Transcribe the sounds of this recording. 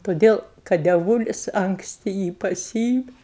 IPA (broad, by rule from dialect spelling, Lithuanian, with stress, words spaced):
toːˈdʲeːlˠ kɐt dʲɛˈʋuːlʲɪs ɐŋkˈsʲtʲɪ ˈjiː pɐˈsʲiːɪmʲɪ